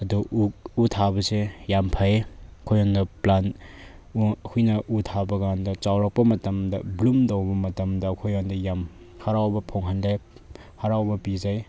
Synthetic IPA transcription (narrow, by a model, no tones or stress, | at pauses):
ɐduutʰabɐsejampʰajekʰojɔndɐplan | kʰujnɐʔutʰabɐɡandɐt͡ʃawɾɐk̚pɐmɐtɐmdɐblumdowbɐmɐtɐmdɐkʰojɔndɐjam | haɾawbɐpʰoŋɦandaj | haɾawbɐpizaj